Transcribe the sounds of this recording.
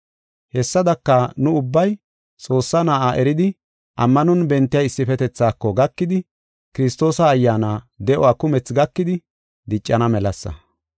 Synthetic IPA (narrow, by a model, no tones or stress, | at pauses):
hɛsːɐd̪ɐkːɐnʊʊbːɐj | t͡sʼo̞ːsːɐnaːʔaʔɛɾɪd̪ɪ | ʔɐmːɐnɔnbɛnt̪ːɪjɐjɪsːɪfɛt̪ɛt͡sːaːkːɔɡɐkːɪd̪ɪ | kɪɾɪst̪o̞ːsɐːjːaːnaː | d̪ɛʔɔwaːkʊmɛt͡sɡɐkːɪd̪ɪ | d̪ɪt͡ʃʼːɐnɐmɛlɐsːɐ̰